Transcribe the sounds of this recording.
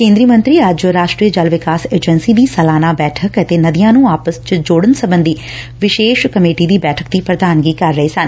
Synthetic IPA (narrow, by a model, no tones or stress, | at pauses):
kẽːnd̪ɾiəmə̃nt̪ɾiːəd͡ʒɾaːʃʈɾiːəd͡ʒəlʋɪkaːseːd͡ʒənsiːd̪iːsəlaːnaːbɛːʈʰəkət̪eːnəd̪ɪjãːnũːaːpəst͡ʃd͡ʒoːɽənsəbənd̪iː | ʋɪʃeːʃkəmeːʈiːd̪iːbɛːʈʰək̚d̪iːpɾəd̪aːnɡiːkəɾːəɦeːsən